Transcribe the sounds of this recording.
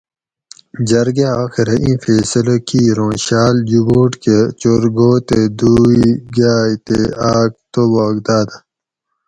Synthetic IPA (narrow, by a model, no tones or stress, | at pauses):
d͡ʑɐɾɡaaːxiɾɐʔĩːfeːsɐlokiɾõːɕaːljuɡoːʈket͡ɕoɾɡoːt̪ed̪uːiɡaːt̪ḛaːk̚t̪obaːɡd̪aːd̪a